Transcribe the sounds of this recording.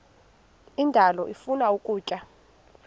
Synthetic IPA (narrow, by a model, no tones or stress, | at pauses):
indʱalɔʔifunaukʼuːcʼa